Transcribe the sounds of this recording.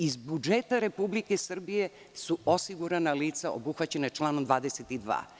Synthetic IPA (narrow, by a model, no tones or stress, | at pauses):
izbud͡ʒet̪aɾepublikesr̩bije | suosiɡuɾanaliːt̪saʔo̰buxʋat͡ɕenat͡ʃlˠaːnomd̪ʋaːd̪eset̪id̪ʋa̰ː